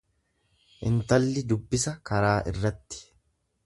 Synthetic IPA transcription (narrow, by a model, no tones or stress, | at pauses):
ʔɪ̰nt̪ɐlːɪd̪ʊbːɪsɐkɐɾaːʔɪ̰rːɐt̪ːɪ̥